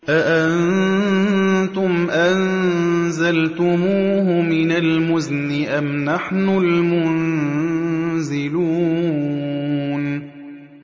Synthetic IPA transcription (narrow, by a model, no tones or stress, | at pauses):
ʔaʔann | t̪ʊmʔanzalt̪ʊmuːhʊmɪnalmʊznɪʔamnaħnʊlmʊn | zɪluː | n